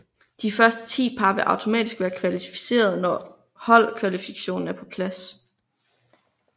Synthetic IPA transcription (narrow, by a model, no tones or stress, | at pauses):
d̥ifɶɐsd̥ə̥t͡sʰḭːpʰɑ̈ʋ̥e̝ʔɑ̈ʊt͡sʰo̝mɛ̰ːd̥isɡ̥ʋæːɐkʰʋælifi̥se̝̰ːɐð̞ˠnɒ | hɒ̽l̰kʰʋælifiɡkʰæ̥ɕo̝̰ːn̩æɐpʰɒ̽pʰlæs